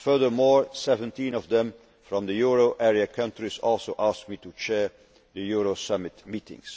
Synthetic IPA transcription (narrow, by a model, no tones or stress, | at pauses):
fɜ˞ðə˞mɔɹsɛvə̃ntĩnɔvðɛ̃m | fɹɔ̃md̪əjuɹoʔɛɹiəkʰʌ̃ntɹizɔlˠsoʊʔask̚mitut͡ʃɛɹ | ðəjuɹosʌmɪtmitɪ̰̃ŋs